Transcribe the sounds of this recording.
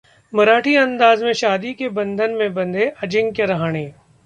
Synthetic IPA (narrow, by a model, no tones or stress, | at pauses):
mɐɾaːʈʰiɐ̃nd̪aːzmẽʃaːd̪ikebɐ̃nd̪ʱənmẽbɐ̃nd̪ʱeʔɐd͡ʒɪ̃ŋɡkeɾɐɦaːɽ̃eː